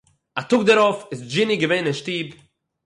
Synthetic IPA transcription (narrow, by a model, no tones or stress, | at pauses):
atʊɡ̚dəɾɔfɪsd͡ʒɪniɡəveɪnəʃtiːb